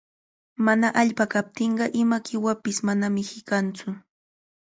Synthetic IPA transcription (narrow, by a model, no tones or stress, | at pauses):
manaʔaʎpakap̚t̪ɪɴɢɑʔɪmakɪwapɪsmanamɪhɪkant͡sʊ